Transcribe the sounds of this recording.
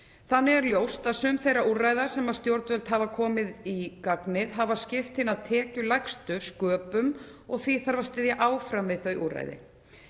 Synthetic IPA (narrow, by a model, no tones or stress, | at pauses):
θanːɪɣɛɾljowst̪aðsʏmθejɾaʔurajðḁsɛmað̥st̪jowɾt̪vœlt̪havakʰɔːmɪðikaknɪðɦavascɪft̪hɪnːaðt̪ʰɛːcʏlajkst̪ʏskœːpʏm | ɔɣθviθaɾvast̪ɪðjaʔaːwfɾamvɪðθœɥʔṵːra̰jðɪ̰